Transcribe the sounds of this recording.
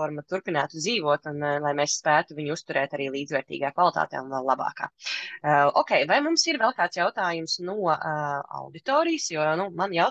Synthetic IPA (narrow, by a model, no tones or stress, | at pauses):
ɔɾmɐt̪uɾpinaːt̪ud̪ziːvuɔt̪unlˠajmɛːsspæːt̪uviɲust̪uɾɛːt̪aɾiːlˠiːd̪vɛːɾt̪ḭːɡaːkvalˠit̪a̰ːt̪ɛ̰ːunvɛlˠlˠabɑ̰ːka̰ː | ɔːkʲɛjvajmumsiɾvɛlˠkaːt̪sjawt̪aːjumsnuɔa̰wd̪it̪ɔːɾijəsjuɔnumanja